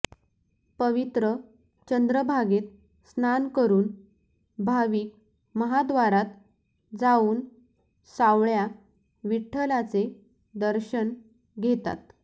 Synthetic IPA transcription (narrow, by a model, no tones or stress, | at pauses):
pəʋit̪ɾə | t͡ɕənd̪ɾəbʱaɡet̪̚ | snankəɾuːn | bʱaʋiːk̚ | məɦad̪ʋaɾat̪ | d͡zauːn | saʋɭja | ʋiʈʰːəlat͡se | d̪əɾɕən | ɡʱet̪a̰t̪